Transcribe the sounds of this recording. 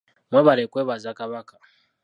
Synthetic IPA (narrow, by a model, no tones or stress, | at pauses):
mweβaɾekweːβazakaβakḁ